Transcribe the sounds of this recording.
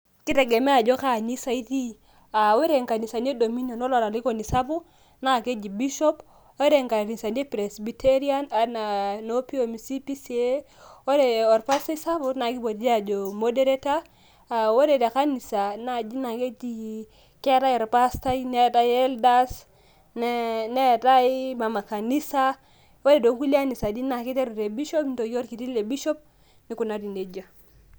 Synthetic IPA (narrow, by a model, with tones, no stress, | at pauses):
ki˦te˨ɡe˨me˦a˨d͡ʒo˦ka˦˨ɲi˦sa˦i˦ti˦ | a˨we˦ɾe˨ŋka˨ni˨sa˨ne˦do˨mi˦no˨no˦lo˨ɾa˨li˦ko˨ni˨sa˦bu˦ | na˦˨ke˦d͡ʒi˨bi˦ʃo˦p | we˦ɾe˨ŋka˨ɾi˨sa˨ne˦pɾe˨sbi˨tʰe˦ɾi˦a˦na˨na˨no˦pi˦o˨mi˨si˦pi˦si˨˦e˦ | wo˦ɾe˨o˨ɾpa˦sta˦i˦sa˦bu˦na˨ki˦bo˨dd͡ʒi˦a˨d͡ʒo˨mo˦de˦ɾe˦ta˦˨ | wo˦de˨de˨ka˦ni˨sa˨na˨d͡ʒi˦na˨ke˦ti˨ | ke˦ɾa˦ji˨ɾpa˦sta˦i˦ne˦˨ta˦je˦lda˦s | nne˦˨ta˦i˦ma˨ma˨ka˨ni˦sa˦ | wo˦de˨do˨˦ku˦li˦a˦ni˨sa˨di˦na˨ki˦te˦ɾu˨ɾe˨bi˦ʃo˦pn˦to˨ɡo˦ɾki˨ti˦le˨bi˦ʃo˦p̚ | ni˨ku˨na˨˦di˨nde˨d͡ʒa˨